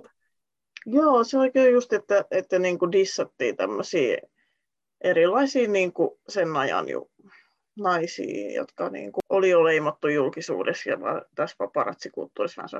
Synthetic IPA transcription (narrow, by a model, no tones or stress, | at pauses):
joːseoikeːjust̪et̪ːæʔet̪ːæniːŋkudisːɑt̪ːḭːt̪æmːøsḭː | ʔeɾilːˑɑisiːniːŋkusenːɑjɑ̰njṵ | nɑisḭːjo̰t̪kɑnḭːŋkuolijoleimot̪ːujulkisṵːdesjɑ̰ʋɑ̰t̪æsʋɑpɑrɑ̰t̪sikṵlt̪ːuːrismæ̰nsɑ̰